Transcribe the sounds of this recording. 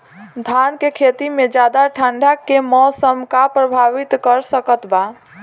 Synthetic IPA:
d̪ʱankekʰet̪imed͡ʒad̪aʈʰəɳɖʱakemɔsəmkapɾəbʱaʋit̪kəɾsəkət̪ba

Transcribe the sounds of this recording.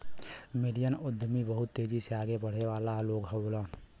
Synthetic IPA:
mɪɖijənʊd̪ʱmibəɦʊt̪ːeːd͡ʒiseaːɡebəɽ̤eʋaːlaloːɡɦɛboːlaː

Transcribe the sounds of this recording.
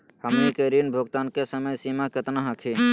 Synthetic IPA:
həmnikeɾinbʱoɡt̪ankesəməjsimaket̪naɦəkʰi

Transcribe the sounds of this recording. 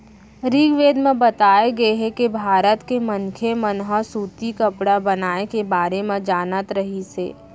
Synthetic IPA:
ɾiːɡʋeːd̪mẽbɐt̪aːeɡɐeɦɛkebʱaːɾət̪kemənkʰemənɦəsuːt̪ikɐpɽabɐnaːekebaːɾemẽd͡ʒaːnət̪ɾɐɦisḛː

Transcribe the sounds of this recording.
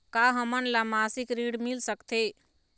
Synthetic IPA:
kaɦəmənlamasikɾiɽmilsəkt̪ʰe

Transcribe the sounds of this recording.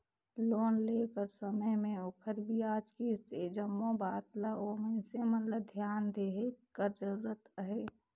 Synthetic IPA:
loːnleːkəɾsəməɦmẽokʰəɾbʱiaːd͡ʒkist̪ed͡ʒəmːõbaːt̪laoːmẽsemənləd̪ʱjaːnd̪eɦekəɾd͡ʒəɾuːɾət̪əɦeː

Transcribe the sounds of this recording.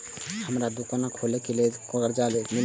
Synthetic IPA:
həmɾad̪ukanakʰoːlekeliekoɡəɾd͡ʒalemɪ

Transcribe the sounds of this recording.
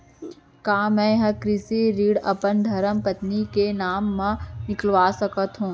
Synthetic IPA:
kaːmɛ̃ɦɐkɾɪsiɾiːɽɐpənd̪ʱɐɾəmpət̪nikenaːmːãnɪklʋaːsəkət̪ɦũː

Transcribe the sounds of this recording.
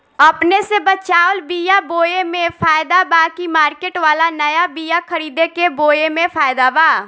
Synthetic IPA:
əpnesebət͡ʃaːʊlbijaboːjemẽpʰaːjd̪abaːkimaːɾkeʈʋaːlanəjabijakʰəɾiːd̪ekeboːjemẽpʰaːjɪd̪abaː

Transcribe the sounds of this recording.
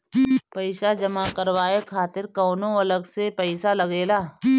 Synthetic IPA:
pɐɪʃad͡ʒɐmakəɾwaːekʰaːt̪ɪɾkɔːnõɐləɡsepɛɪsalɐɡeːlaː

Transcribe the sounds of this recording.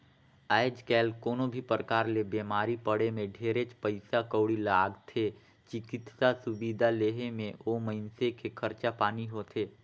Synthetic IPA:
ajd͡ʒkɛːlkoːnobʱipɾəkaːɾlebeːmaːɾipəɽemẽɖʱeːɾet͡ʃpəɪsakəːɽilaːɡt̪ʰe | t͡ʃɪkɪt̪sasʊbid̪ʱaleːɦemẽoməɪnsekʰekʰəɾt͡ʃapaːniɦoːt̪ʰeː

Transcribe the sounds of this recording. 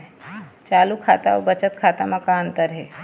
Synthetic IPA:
t͡ʃaːlukʰat̪aɔbət͡ʃət̪kʰat̪amãkaənt̪əɾɦe

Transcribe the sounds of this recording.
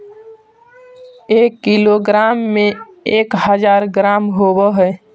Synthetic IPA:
eːkːiloɡɾaːmːẽ | eːkhəd͡ʒaːɾɡɾaːmɦobəɦə

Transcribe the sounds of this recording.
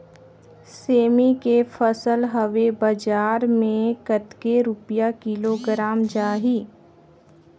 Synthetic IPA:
seːmikefʰəsəlɦəʋebɐd͡ʒaːɾmẽkət̪keɾʊpijakɪloɡɾaːmd͡ʒaːɦiː

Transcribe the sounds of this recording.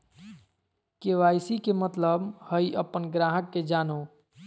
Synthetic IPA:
keʋajsikemət̪ləbhəjʔəpːənɡɾaɦəkːed͡ʒano

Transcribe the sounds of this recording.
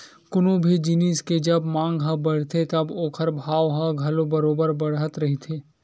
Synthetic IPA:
kʊnobʱid͡ʒinisked͡ʒɐbmãːŋɡɦɐ̃bɐɽ̤t̪ʰet̪ɐboːkʰəɾbʱaːʋɦɐ̃ɡʱɐlobɐɾoːbəɾbɐɽ̤ət̪ɾɐɦit̪ʰeː

